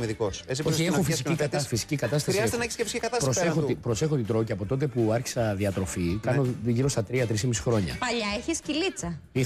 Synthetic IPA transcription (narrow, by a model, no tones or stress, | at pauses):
miðikosesioçiexufisiikɐt̪ɐsfisi̥cikɐt̪ɐst̪ɐsɾiɐzet̪eneçi̥scefisi̥ikɐt̪ɐspɾosexopɾo̞se̞xo̞t̪id̪ɾociɐpo̞t̪ot̪̬e̞puɐɾçi̥sɐðiɐt̪ɾo̞fikɐnoʝiɾo̞st̪ɐt̪ɾiɐt̪ɾis̬imisi̥xɾo̞ɲɐ̰pɐʎɐeçiscilit͡sɐi